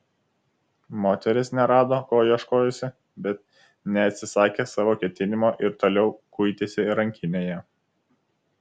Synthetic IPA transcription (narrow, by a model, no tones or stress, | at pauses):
moːt̪ʲɛɾʲɪsnʲɛɾɑːd̪oːkoːjiɛʃkoːjɛsʲɪ | bʲɛt̪̚ | nʲɛɐt̪ʲsʲɪsɑːkʲeːsɑːʋoːkʲɛt̪ʲɪnʲɪmoːʔɪɾt̪oːlʲɛʊkʊɪt̪ʲesʲɪɾɐŋʲkʲɪnʲeːjɛ